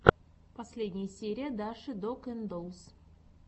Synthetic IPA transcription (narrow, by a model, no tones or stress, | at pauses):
pʰɐsʲlʲed̪ʲnʲɪjəsʲeɾʲijəd̪aʂɨd̪okɪnd̪ows